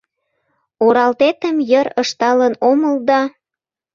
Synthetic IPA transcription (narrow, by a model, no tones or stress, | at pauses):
oɾɑlt̪et̪əmjəɾəʃt̪ɑlənoməld̪ɑ